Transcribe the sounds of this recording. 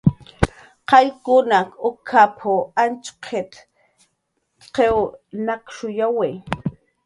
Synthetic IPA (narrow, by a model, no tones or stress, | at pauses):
qɑjkʊnakʊkʰapʰoant͡ʃqʰet̪ | qewnakʃʊjawe